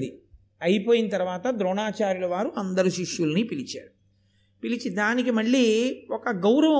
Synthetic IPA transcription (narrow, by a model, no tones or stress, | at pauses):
d̪i | ɐjipoːjinɐt̪ɐɾuʋaːt̪ɐd̪ɾɔːɳaːt͡ʃaːɾjulɐʋaːɾuɐnd̪ɐɾuʃiʃjulɐnipilit͡ʃaːɾu | pilit͡ʃid̪aːnikimɐɭːiːɔkɐɡɐwɾɐʋɐ